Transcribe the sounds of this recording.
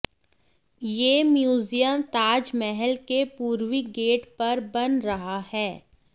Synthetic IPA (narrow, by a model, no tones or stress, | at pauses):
jeːmjuːzijəmt̪aːd͡ʒmɛɦɛlkepuːɾwiɡeːʈpɐɾbɐnɾɐɦahɛː